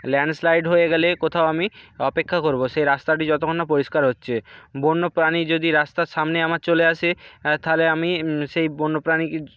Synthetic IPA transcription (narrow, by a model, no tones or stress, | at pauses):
lɛɳɖslajɖɦoeɡɛlekot̪ʰaoamiɔpekʰːakoɾboʃejɾast̪aʈ̬id͡ʑɔt̪okʰonːapoɾiʃkaɾɦotːɕʰebonːopɾanid͡ʑod̪iɾast̪aɾʃamneamaɾt͡ɕoleaʃet̪ʰaleamiʃejbonːopɾani